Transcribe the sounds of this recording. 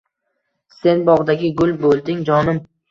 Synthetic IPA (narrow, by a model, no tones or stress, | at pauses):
se̞nbɒʁd̪aɡʲɪɡʊlˠbolˠd̪ɪŋd͡ʒɒnɪm